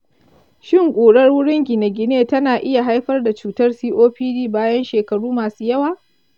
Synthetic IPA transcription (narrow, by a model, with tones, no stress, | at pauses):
ʃɪ˦ŋkʷʼuː˨ɽɐ˦rwʊ˦ɽɪ˦ŋɡʲɪ˨ne˨ɡʲɪ˨neː˦tɐ˦naː˨ʔɪ˦ja˨ɦa˦jɸɐ˦rda˨t͡ʃuː˨tɐ˦rsiː˦ʔoː˦ɸiː˦diː˦baː˦jɐ˦nʃeː˨kɐ˨ɽuː˦maː˨suː˦jɐ˦waː˨